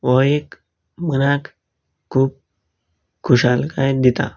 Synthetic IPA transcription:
ʋɔek | mənak | kʰːuːp̚ | kʰːuɕalkajd̪it̪a̰

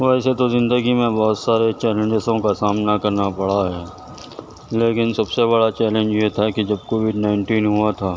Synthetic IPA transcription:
ʋɛːset̪ozɪ̃nd̪əɡimẽbɔːt̪saːɾet͡ʃɛːlẽɲd͡ʒɪsõkasaːmnakɐɾnapɐɽ̤aɦɛː | leːkɪnsɐbseβɐɽat͡ʃɛːlẽnd͡ʒjet̪ʰakid͡ʒɐbkoːʋɪɖnaːɪ̃ɳʈiːnɦuat̪ʰaː

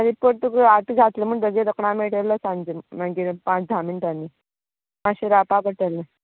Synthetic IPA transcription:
aɾipəɽt̪ukaʈɡʱat̪ləm̤əɳd̪əɡeɾəkɳãmeʈələsãnd͡ʑemaɡipãt͡sd̪ʱamiːnt̪anːi | maɕiɾapabəʈəlːə

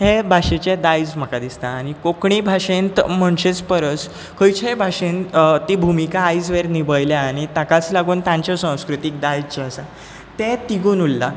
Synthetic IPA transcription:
hebʱaɕet͡ɕed̪ajd͡zm̤əkad̪ist̪aːñikokɳibʱaʂẽnt̪əm̤əɳɕet͡spəɾət͡s | kʰəjt͡ɕebʱaʂẽnt̪t̪ibʱumikaːjd͡zʋeɾnibəjljaːɽ̃it̪akat͡slaɡuːnt̪jãɲt͡ɕjɔsãw̃skɾut̪ik̚d̪ajd͡zt͡ɕeəsa | t̪et̪iɡuːnulːa

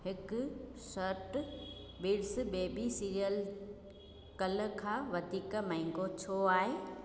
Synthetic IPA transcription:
hɪkʊsəɾʈ | biːɽsbeːbisiːɾijəl | kɐlə̆kʰãːʋɐt̪iːkəmɐ̃ɪ̃ŋɡot͡ɕʰoːaːɦeː

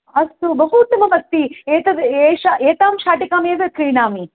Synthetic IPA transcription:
ɐst̪ubɐɦuːt̪umɐmɐt̪ːieːt̪ɐd̪eːʃaʔeːt̪aːmʃaːʈikaːmeːʋɐkɾiːɳaːmi

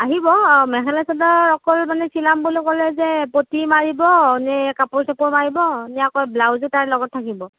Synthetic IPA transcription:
aɦibɔmɛɦɛlasɔdɔɔkɔlmanɛsilambulokɔlɛzɛpotimaɹibɔnɛkapɔɹsapɔɹmaɹibɔnijakɔjblawzutaɹlɔɡɔttʰːakibɔ

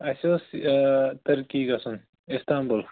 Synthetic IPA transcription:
ɐsʲos | t̪ɐɾkiːɡɐsun | ist̪aːmbul

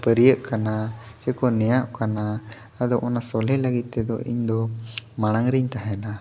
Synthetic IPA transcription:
pəɾijəʔkana | sɛkɔnɛjaʔkana | ad̪ɔʔɔnasɔlɛləɡit̪ːɛd̪ɔ̰ʔḭɲd̪ɔmaɽ̃aŋɾiɲt̪aɦɛna

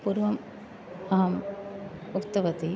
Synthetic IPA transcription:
puɾʋɐm | ɐɦɐm | ʊkt̪ɐʋɐt̪i

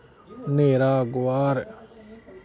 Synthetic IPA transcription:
neːɾaːɡʊaːɾ

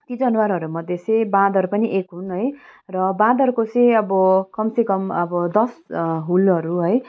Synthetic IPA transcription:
t̪id͡zʌnwaɾɦʌɾumʌd̪ʱjet͡sʌ̃j̃bãd̪ʱʌɾupʌniʔekɦunɦʌjrʌbãd̪ʱʌɾukot͡sʌ̃ʌbʌkʌmsekʌmʌbʌd̪ʌsɦulʌɾuɦʌj

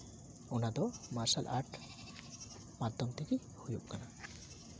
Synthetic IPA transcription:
onad̪ɔmaɾʃalʔa̰ɾʈ | mad̪ʱːɔmt̪ʰeke | hujṵkkana

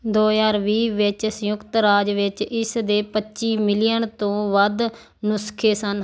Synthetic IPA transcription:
d̪oːjaːɾʋiːʋɪt͡ʃsəjʊkt̪ɾaːd͡ʒʋɪt͡ʃɪsd̪eːpətːʃiːmɪlɪjənt̪õːʋəd̪ | nʊskʰeːsən

